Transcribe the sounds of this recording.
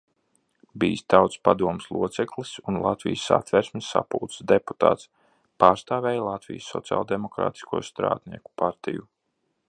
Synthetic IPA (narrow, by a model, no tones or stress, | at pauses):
biːst̪awt̪spad̪uɔmslˠuɔt̪sɛklˠisunlˠat̪vḭjsa̰t̪vɛɾsmɪsa̰puːt̪sd̪epu̥t̪a̰ːt̪s | paːɾst̪aːvɛːjlˠat̪vḭjəsːɔt̪sia̰ːlˠd̪emɔkɾa̰ːt̪i̥skuɔst̪ɾa̰ːd̪ʲnḭɛku̥paɾt̪iju